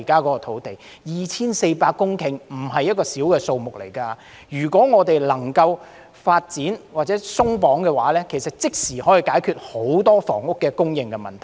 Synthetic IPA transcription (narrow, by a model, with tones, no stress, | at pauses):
kaː˥kɔː˨˥kɔ˧t̪ʰo˨˥wt̪e˨j | jiː˨t͡sʰiː˥nse˧jpaː˧kːʊ˥ŋkʰɪ˨˩ŋm̩˨˩ɦɐ˨jːɐ˥t̚kɔː˧siː˨˥wkɛː˧so˧wmʊ˨k̚le˨˩jkaː˧ | jyː˨˩kʷɔː˨˥ŋɔː˨˧t̪e˨jlɐ˨˩ŋkɐ˧w | faː˧t̚t͡siː˨˥nwaː˨t̚t͡sɛː˨˥sʊ˥ŋpɔː˨˥ŋkɛ˧wa̰ː˨˥lɛː˥kʰe˨˩jsɐ˨t̚t͡sɪ˥k̚siː˨˩hɔː˨˥ji˨kaː˨˥jkʰyː˧t̚ho˨˧˥wt̪ɔː˥fɔ̰ː˨˩ŋʊ˥kːɛː˧kʊ˥ŋjɪ˨˧ŋkɛ˧mɐ˨nt̪ʰɐ˨˩